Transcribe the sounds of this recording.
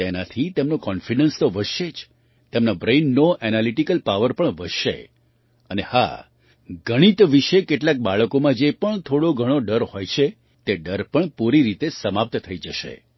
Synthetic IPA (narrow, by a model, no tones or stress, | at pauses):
t̪enat̪ʰit̪emnokɔnfiɖənst̪oʋəʃed͡ʒ | t̪emnabɾenːoʔɛnaliʈikəlpaʋəɾpəɳʋəʃḛ | əneha̰ | ɡʱəɽ̃it̪ʋiʃekeʈlak̚baɭəkomãd͡ʒepəɳt̪ʰoɽoɡʱəɽ̃oɖəɾhojt͡ʃʰe | t̪eɖəɾpəɳpuɾiɾit̪esəmap̚t̪t̪ʰəid͡ʒəʃḛ